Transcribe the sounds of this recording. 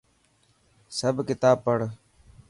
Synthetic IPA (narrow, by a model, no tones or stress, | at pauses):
səbʱkɪt̪aːpːəɽ